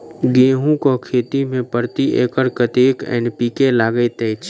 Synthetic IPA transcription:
ɡẽːɦũkokʰeːt̪imẽpəɾt̪iʔeːkəɾkət̪eːkɛ̰ːnpiːkelaːɡəet̪ɛt͡ʃʰ

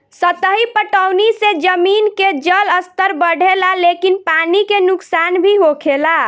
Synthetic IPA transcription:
sət̪əɦipəʈəʊnised͡ʒəminked͡ʒələst̪əɾbəɽʱelalekinpanikenʊksanbʱiɦokʰela

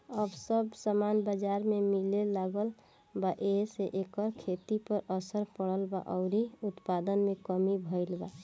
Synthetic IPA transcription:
əbsəbsəmanbəd͡ʒaɾmemilelaɡəl | baʔeseʔekəɾkʰet̪ipəɾəsəɾpəɽəlba̰ʔɔʊɾiut̪pad̪ənmekəmibʱəɪlba

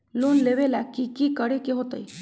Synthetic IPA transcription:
loːnleʋelakikikəɽekeɦot̪əi

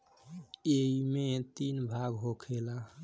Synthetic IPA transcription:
eimet̪inbʱaɡɦokʰela

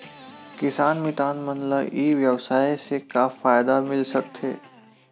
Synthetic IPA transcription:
kɪsaːnmɪʈ̪aːnmənləbiːʋjɐwsaːisekafaːjd̪amɪlsɐk̚t̪ʰḛː

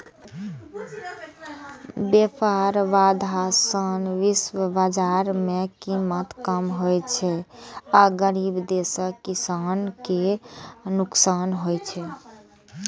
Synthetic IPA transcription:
bepʰaɾʋad̪ʱasənʋiswəbad͡ʒaɾmekimət̪kəmɦojt͡ʃʰɛaɡəɾibd̪esəkisanke | nuksanɦojt͡ʃʰɛ

